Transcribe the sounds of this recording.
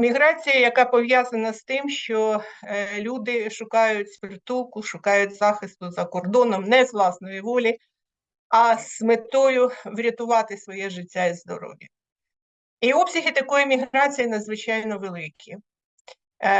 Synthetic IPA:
mʲiɦɾɑt͡sʲijɐjɐkɑpɔʋʲjazɐnɐst̪ɪmʃt͡ʃɔ | lʲud̪ɪʃʊkɑjʊtʲspɪrt̪ulˠkʊʃʊkɑjʊtʲzɑxɪst̪ʊzɐkɔrd̪ɔnɔmnɛzʋlˠɑsnɔjiʋɔlʲi | ɐsmɪt̪ɔjʊʋɾʲɐt̪ʊʋɑt̪ɪsʋɔjɛʒɪtʲːaizd̪ɔ̰ɾɔ̰ʋʲjɐ | iɔpsʲɐɦɪt̪ɐkɔjimʲiɦɾɑt͡sʲijinɐd̪zʋɪt͡ʃɑjnɔʋelˠɪkʲʰi

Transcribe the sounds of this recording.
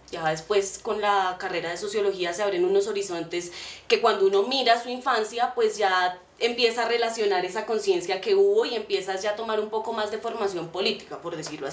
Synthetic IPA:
d͡ʒaðespwe̞sko̞nlakare̞ɾaðe̞so̞sjo̞lo̞xiaseaβɾenuno̞so̞ɾiso̞nt̪e̞ske̞kwand̪ouno̞miɾasuiɱfansjapwe̞zd͡ʒa | empje̞saːre̞lasjo̞naɾesako̞nsje̞nsjake̞uβo̞ie̞mpje̞sad͡ʒaːt̪o̞maɾumpo̞ko̞mazd̪e̞fo̞ɾmasjo̞mpo̞lit̪i̥kapo̞ɾðesiɾloa

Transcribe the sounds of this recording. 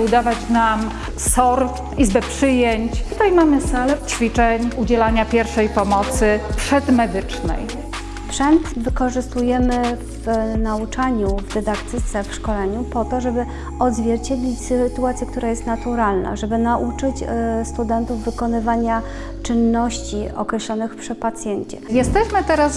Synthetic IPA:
ud̪avat͡ɕnam | sɔɾ | izbɛpʂɘjeɲt͡ɕt̪ut̪ajmamɘsalɛt͡ɕfʲit͡ʂɛɲud͡ʑɛlaɲapʲjɛɾfʂɛjpɔmɔt̪sɘpʂɛd̪mɛd̪ɘt͡ʂnɛ̰j | spʂɛnt̪vɘkɔʐɘst̪ujɛmɘ | vnaut͡ʂaɲuvd̪ɛd̪akt̪ɘt̪sɛfʂkɔlɛɲupɔt̪ɔʐɛbɘ | ɔd̪zvʲjɛɾt͡ɕed̪lʲit͡ɕst̪uat̪sjiɛkt̪uɾajɛst̪nat̪uɾalna̰ʐɛbɘnaʔut͡ʂɘt͡ɕst̪ud̪ɛnt̪uvːɘkɔnɘvaɲa | t͡ʂɘnːɔɕt͡ɕiɔ̰kɾɛɕlɔnɘxpʂɛpat̪sʲjɛɲt͡ɕɛ̰jɛst̪ɛɕmɘt̪ɛɾas

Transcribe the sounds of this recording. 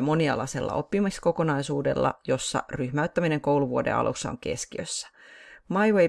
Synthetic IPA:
mo̞niɑ̰lɑse̞lːɑ̰ʔo̞̰pːimɑksko̞ko̞nɑisuːde̞̰lːɑ̰jo̞sːɑ̰ryhmæyt̪ːæmine̞ŋko̞wluʋuode̞̰ɑ̰lʔṵsːɑo̰ŋke̞̰skiø̰sːæ̥mɑjwe

